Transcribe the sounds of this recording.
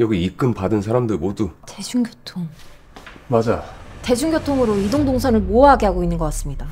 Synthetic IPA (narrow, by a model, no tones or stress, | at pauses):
jʌɡiik͈ɯmpadɯnsʰaɾamdɯɭmodute̞d͡ʑuŋɡjotʰoŋ | mad͡ʑate̞d͡ʑuŋɡʲjotʰoŋɯɾoidoŋdoŋsʰʌnɯɭmoʌɦaɡeɦaɡoinːɯnɡʌk͈as͈ɯmɲida